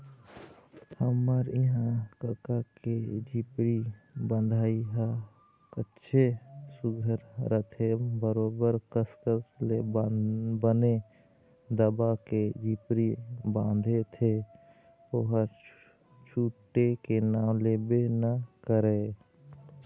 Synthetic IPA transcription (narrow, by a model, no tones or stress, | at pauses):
həməɾɪɦãkəkaked͡ʒipɾibə̃nd̪ʱaːiɦə | kətːʃʰesʊɡʱəɾɾət̪ʰebəɾoːbəɾkəskəsle | bəne | d̪əbaked͡ʒiːpɾibãːnd̪ʱet̪ʰe | oɦə | t͡ʃʰuʈːekenãːleːbenəkəɾe